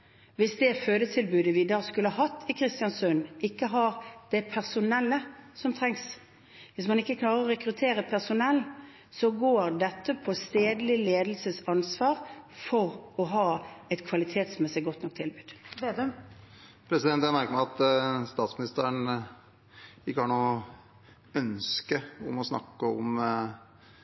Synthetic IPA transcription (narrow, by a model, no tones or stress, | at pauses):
ʋɪsd̪ɛføːd̪ət̪ʰɪlbʉːd̪əʋɪd̪ɑːskʉləɑɦɑt̪ʰːɪkʰɾɪst̪ɪɑnsʉnɪkːəɦɑɾd̪̥ɛpʰæʁsʊnɛlːəsɔmt̪ʰɾɛŋs | ʋɪsmɑnɪkːəkʰlɑːʁəɾɔɾɛkɾʉt̪ʰeːɾəpʰæʁsʊnɛlː | sɔɡoːɾd̪ɛt̪ːəpʰɔst̪eːd̪əlɪleːd̪əl̩səsɑnsʋɑːʁfɔʁɔɦɑːɛt̪kʰʋɑlɪt̪ʰeːt̪smɛsəɡɔt̪nɔkt̪ʰɪlbʉːd̪̥ | pʰɾɛsɪd̪ɛnt̪jæɾmæɾkəmæɑt̪st̪ɑːt̪smɪnɪst̪əɾəɳ | ɪkːəhɑːɳuː | œnskəɔmɔsnɑ̰kːəɔm